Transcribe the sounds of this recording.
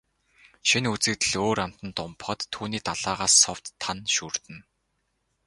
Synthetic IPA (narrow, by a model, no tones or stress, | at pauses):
ʃinut͡sɘ̆k̚t̪ɘ̆ɮoːɾam̥t̪ə̆nt̪ʊmpχɞ̆t̪ʰːuːniːt̪aɮ̥aːʁaːsːɔw̥t̪ʰːanʃuːr̥t̪ɘ̆n